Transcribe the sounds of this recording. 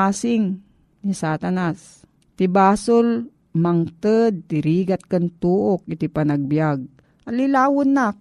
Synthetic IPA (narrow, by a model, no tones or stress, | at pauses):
aːsɪŋ | nisaːt̪anas | t̪ɪbaːsol | maŋt̪əd̪̚t̪ɪɾiːɡat̪̚kant̪uːʔok̚ɪt̪ɪpanaɡ̚bjaɡ̚ | ʔalilaːwʊnːa